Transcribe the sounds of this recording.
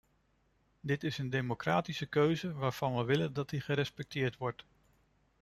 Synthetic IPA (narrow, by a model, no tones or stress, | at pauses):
dɪtɪsəndejmokraːtisəkøɥzəʋaːɹv̥ɑnʋəʋɪləndɑt̚diχəɾɛspɛk̚tʰɪːɹtʋɔɹt